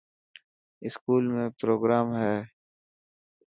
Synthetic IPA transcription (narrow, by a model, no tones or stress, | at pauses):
ɪskuːlmẽpɾoːɡɾaːmɦɛː